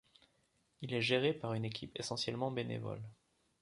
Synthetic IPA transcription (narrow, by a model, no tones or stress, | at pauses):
ilɛʒeʁepaʁynekʲʰipesɑ̃sjɛlmɑ̃benḛvɔ̰l